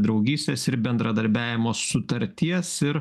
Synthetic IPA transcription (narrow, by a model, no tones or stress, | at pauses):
d̪ɾɒʊɡʲiːsʲt̪ʲeːsɪɾbʲɛnd̪ɾɐd̪ɐɾʲbʲæːʋʲɪmoːsːʊt̪ɐɾʲt̪ʲiɛsɪɾ